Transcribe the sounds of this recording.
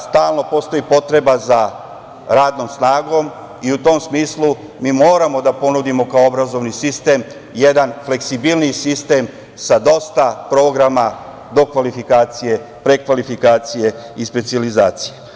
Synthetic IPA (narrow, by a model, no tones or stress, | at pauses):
st̪aːlˠno̞po̞ːst̪o̞jipo̞t̪ɾe̞baza | ɾaːd̪no̞ːmsnaːɡo̞m | iut̪o̞msmiːslˠu | miːmo̞ːɾamo̞d̪apo̞nud̪imo̞kaoobɾazo̞ʋnisist̪e̞ːm | je̞d̪anfle̞ksibilˠnisist̪e̞m | sad̪o̞st̪apɾo̞ːɡɾama | d̪o̞kʋalifikaːt̪sije̞ | pɾe̞kʋalifikaːt̪sije̞ispe̞t̪sializaːt̪sije